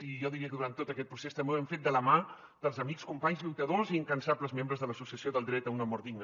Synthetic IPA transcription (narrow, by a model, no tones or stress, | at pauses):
iʒɔðiɾiəkðuɾant̪ːot̪əkɛt̪̚pɾusest̪əmbewɛɱfet̪d̪ələma | d̪əlˠzəmikskumpaɲzliwt̪əðoziːŋkənsaləzmembɾəzðələsusiəsioðəlˠd̪ɾɛt̪əunəmɔɾiɡnə